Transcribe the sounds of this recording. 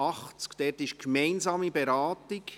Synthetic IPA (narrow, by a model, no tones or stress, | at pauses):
ɑχt͡skd̥ɛɾtɪʃkmɛɪnzɑːmibeɾaːtɪk